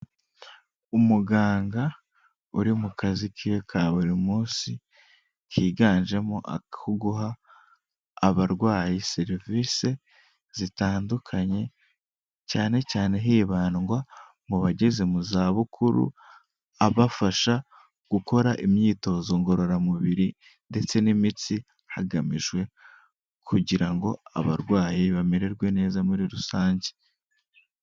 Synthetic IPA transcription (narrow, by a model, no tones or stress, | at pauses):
umuɡaːŋɡa | uɾimukazikʰijekʰaβuɾimuːnsi | kʰiːɡaːɲʒe̞moʔa̰uɡuɦa | βaɾɡwaːjiseɾiviːse̞ | z̥itaːndukʰaɲe̞ | caːne̞caːne̞ɦiːβaːnɡwa | muβaɟe̞ze̞muzaːβukʰuɾṵ | aβafaʃa | ɡ̥uko̞ɾaʔimɲiːto̞ːzo̞ŋɡo̞ɾo̞ɾamuβiɾi | nde̞t͡se̞nimit͡si | haɡamiʒɡwe̞ | kʰuɟiɾaŋɡo̞a̰βaɾɡwaːjiβameɾe̞ɾɡwe̞ne̞ːzamuɾiɾusaːɲɟe